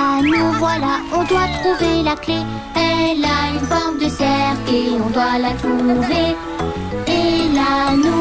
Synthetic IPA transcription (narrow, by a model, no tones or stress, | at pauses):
nuvwalaɔ̃d̪wat̪χuvelakle | ɛlaynfɔʁmd̪əsɛʁkiɔ̃d̪walat̪ʁuuve | elanu